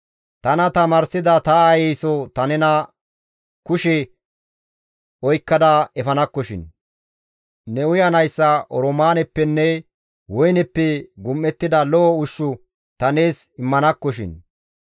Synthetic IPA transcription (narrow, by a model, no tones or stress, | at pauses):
t̪ɐnɐt̪ɐmɐːɾsɪd̪ɐt̪ɐɐjɛjsɔt̪ɐnɛnɐ | kʊʃɛ | ɔjkːɐd̪ɐɛfɐnɐkːɔʃɪ̰n | nɛʊjɐnɐjsːɐʔɔɾɔmaːnɛpːɛnːɛ | wɔjnɛpːɛɡʊmːɛt̪ːɪd̪ɐlɔːʊʃːʊ | t̪ɐneːsɪmːɐnɐkːɔʃ̬ɪ̰n